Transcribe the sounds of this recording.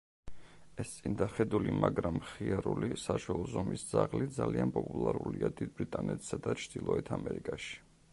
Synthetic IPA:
ɛst̪sʼind̪aχɛd̪ulimaɡɾamχiaɾulisaʃwɛlˠɔzɔmisd̪zaʁlid̪zalianpʼɔpʼulˠaɾuliad̪id̪̚bɾit̪ʼanɛt̪ʰsad̪at͡ʃʰd̪̥ilˠɔɛt̪ʰamɛɾikʼaʃi̥

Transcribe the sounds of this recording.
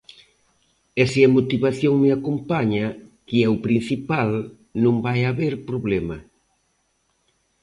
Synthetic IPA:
ɛseamot̪iβaθjoŋmɪakompaɲakiɛʊpɾin̟θipal | nõŋbajaβeɾpɾoβlɛmɐ

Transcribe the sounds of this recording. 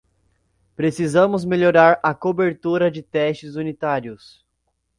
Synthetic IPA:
pɾesizɐ̃mʊzmeʎoɾaɾɐkobeɾt̪uɾɐd͡ʒɪt̪ɛsʃt͡ʃɪzunit̪aɾjʊs

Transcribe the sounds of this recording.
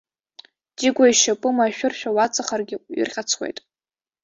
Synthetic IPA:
diɡʷaiʃapʼɨmaʃᶣʊrʃᶣawat͡sʼaχarɡʲɪɥḭrχʲat͡sʰwḛjtʼ

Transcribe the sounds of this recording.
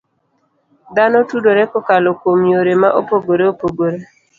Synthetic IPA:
d̪anɔtudoɾɛkɔkalokomjoɾemaʔopoɡoɾeopoɡoɾe

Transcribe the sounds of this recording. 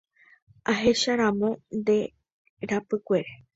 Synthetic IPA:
aɦe̞ʃaɾãmõ̞nd̪e̞ | ɾapɨkʷe̞ɾe

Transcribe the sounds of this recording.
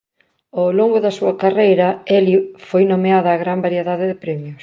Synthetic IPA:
awloŋɡʊðɐsuɐkarejɾɐɛlifojnomeaðɐːɣɾambaɾieðaðɪðɪpɾɛmjʊs

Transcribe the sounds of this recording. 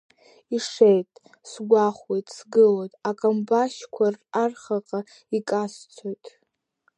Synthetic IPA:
iʂejtʼ | sɡʷaχwejtʼsɡɨlojtʼakʼambaʃkʷʰararχaqʼa | ikʼast͡sʷʰojtʼ

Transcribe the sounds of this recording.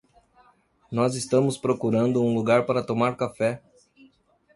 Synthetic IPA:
nɔzɪst̪ɐ̃mʊspɾokuɾɐ̃nd̪ʊũluɡaɾpaɾɐt̪omaɾkafɛ

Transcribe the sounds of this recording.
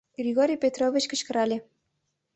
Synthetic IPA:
ɡrʲiɣoɾʲijpʲet̪rovʲit͡ɕkə̆t͡ɕkə̆ɾɑlʲe

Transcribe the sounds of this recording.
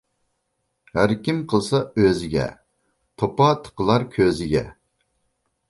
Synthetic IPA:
hæɾkʲimqʰəlˠsɑøzɪɡʲɛ̰ | t̪ʰopɑt̪ʰə̥qəlˠɑɾkʲʰøzɪɡʲɛ̰

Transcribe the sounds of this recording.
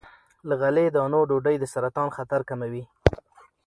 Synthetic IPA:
ləɣaled̪ɑnoɖoɖəjd̪əsaɾat̪ɑnxat̪aɾkamawi

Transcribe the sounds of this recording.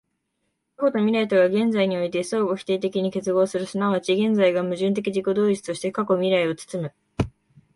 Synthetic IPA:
kako̞t̪o̞mʲiɾait̪oɡaɡẽ̞nd͡zaiɲ̟io̞it̪e̞so̞ːɡoçʲi̥t̪e̞ːt̪e̞kʲiɲ̟ike̞t͡sɨɡo̞ːsɨɾɯ̟sɨnaβat͡ɕiɡẽ̞nd͡zaiɡamɯ̟ʑɨ̃nt̪̬e̞kʲiʑiko̞d̪o̞ːit͡sɨ̥t̪o̞ɕi̥t̪e̞kako̞mʲiɾaio̞t͡sɨ̥t͡sɨmɯ̟

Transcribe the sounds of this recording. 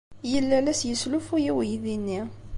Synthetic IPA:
jəlːælæsjəslufujiwjðinːi

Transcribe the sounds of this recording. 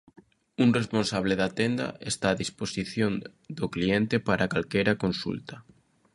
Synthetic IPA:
uŋresponsaβleðat̪end̪a̰ʔest̪aːðisposiθjond̪oklient̪epaɾʔakalkejɾakonsṵlt̪a

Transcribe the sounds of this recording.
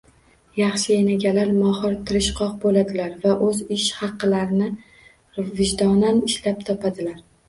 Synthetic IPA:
jɑχʃɪjenaɡʲalaɾmɒhɨɾt̪ʰɪɾɪʃqʰɒq̚bolad̪ɪlaɾvaʔɵzɪʃhɑqːɨlaɾɪnɪ | vɪʒd̪ɒnanɪʃlap̚t̪ʰɒpʰad̪ɪlaɾ

